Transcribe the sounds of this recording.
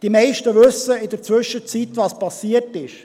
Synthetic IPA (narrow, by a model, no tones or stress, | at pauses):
d̥imɛɪʃtəʋʏsəɪd̪əɾt͡sʋʏʃət͡sit̪vɑspɑsiərtɪʃ